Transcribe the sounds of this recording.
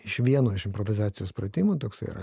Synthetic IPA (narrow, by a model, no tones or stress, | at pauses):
ɪʃʋʲiɛnoːɪʃɪmpɾɔʋʲɪzɑːt̪sʲɪjʲuspɾɐt̪ʲɪmʊt̪oːksɐɪḭɾɐ̰